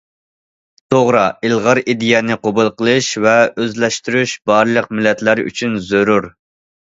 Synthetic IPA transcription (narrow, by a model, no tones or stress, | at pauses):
t̪ʰoʁɾɑilˠʁɑɾid̪ijɛnɪqobʊlˠqəlˠɨʃvɛøzlɛʃt̪yɾyʃb̥ɑɾlˠəq̚mɪlːɛt̪læɾy̰t͡ʃʰynzøɾuɾ